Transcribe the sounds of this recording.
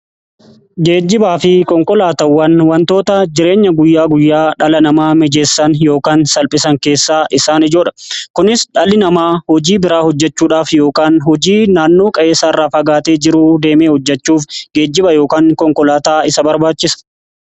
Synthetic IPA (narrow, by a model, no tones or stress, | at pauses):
ɡe̞ːd͡ʒːɪbaːfɪkɔŋkɔlaːt̪ɐwːɐnwɐnt̪o̞ːt̪ɐd͡ʒɪɾe̞ːɲːɐɡʊjːaːɡʊjːaːᶑɐlɐnɐmaːmɛd͡ʒeːsːɐnjo̞ːkaːnsɐlpʼɪsɐŋke̞ːsːaːʔɪsaːnɪd͡ʒoːᶑɐ̥kʊnɪsᶑɐlɪnɐmaːhɔd͡ʒiːbɪɾaːhɔd͡ʒːɛt͡ʃːuːᶑaːfjo̞ːkaːnhɔd͡ʒiːnaːnːo̞ːkʼɐʔeːsaːɪrːaːfɐɡaːt̪eːd͡ʒɪɾuːd̪e̞ːmeːhɔd͡ʒːɛt͡ʃːuːfɡeːd͡ʒːɪbɐjo̞ːkaːŋkɔŋkɔlaːt̪aːɪsɐbɐɾbaːt͡ʃːɪsɐ̥